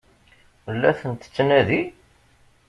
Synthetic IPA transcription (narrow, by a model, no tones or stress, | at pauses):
wəlːæθənt̪ə̥t͡sːnæði